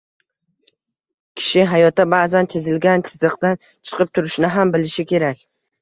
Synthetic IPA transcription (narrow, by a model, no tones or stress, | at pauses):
kʲʰɪ̥ʃɪɦajɒt̪abaːzant̪ʰezɪlɡʲant̪ʰɪzɨqt̪an | t͡ʃʰɨ̥qʰɨp̚t̪ʰʊɾɪʃnɪɦambɪlɪʃɪkʲʰe̞ɾak̚ʲ